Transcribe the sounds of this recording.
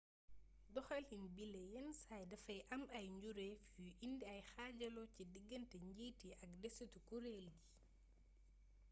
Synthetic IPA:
dɔxɐlhinbilejɛnsajdɐfɐjʔɐmɐjɲɟuɾefuʔindiɐjxaɟɐlɔcidiɡːəntɛɲɟiːtiɐk̚dɛsətukuɾeːlɡi

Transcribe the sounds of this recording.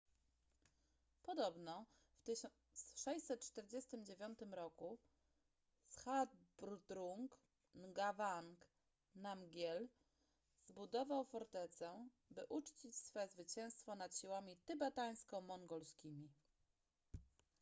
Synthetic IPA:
pɔd̪ɔbnɔ | ft̪ɘ | sʂɛɕsɛt̪̚t͡ʂt̪ɛɾd͡ʑɛst̪ɘmd͡ʑevʲjɔnt̪ɘmɾɔku | sxad̪̚bɾud̪ɾuŋk | nɡavaŋk | namɡʲjɛl | zbud̪ɔvawfɔɾt̪ɛt̪sɛ | bɘʔut͡ʂt͡ɕit͡ɕsfɔjɛzvɘt͡ɕɛ̃w̃st̪fɔnat̪ɕiwamʲit̪ɘbat̪aj̃skɔ̃w̃mɔŋɡɔlskʲimʲi

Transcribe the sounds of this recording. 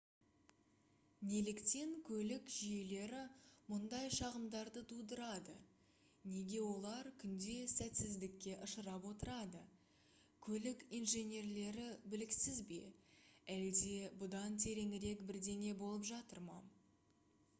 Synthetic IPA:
ne̞lɪkt̪e̞ŋkʲʰɵlɪkʒije̞le̞ɾɪmʊnd̪ɑjʃɑʁəmd̪ɑɾd̪ət̪ʰud̪əɾɑd̪ə̰ | ne̞ɡʲe̞wo̞lˠɑɾkʲʰʏnd̪e̞sæt̪sɪzd̪ɪkʲːe̞ʔəʃəɾɑpwo̞t̪əɾɑd̪ə | kʲʰɵlɪkijnʒe̞nʲe̞rle̞ɾɪbɪlɪksɪzbe̞̰æld̪e̞bʊd̪ɑnt̪ʰe̞ɾe̞ŋɪɾe̞kbɪɾd̪e̞ŋʲe̞bo̞lˠəpʒɑt̪əɾmɑ̰

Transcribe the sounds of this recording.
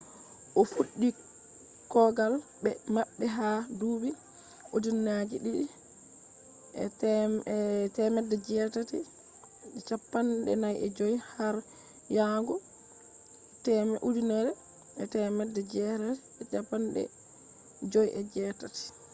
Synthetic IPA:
ʔɔfuɗːi | kɔɡalbɛmaɓːɛɦaduːbi | ʔodinːad͡ʒiɗiɗi | ɛ | tɛmɛdːɛd͡ʒɛtati | ɛt͡ʃapːandɛ̰najʔɛd͡ʒojhaɾ | jaŋɡɔ | tɛmɛʔudinɛɾɛ | ɛtɛmɛdːɛd͡ʒɛtati̥ɛt͡ʃapːanɗɛ̰ | d͡ʒojʔɛd͡ʒɛtati̥

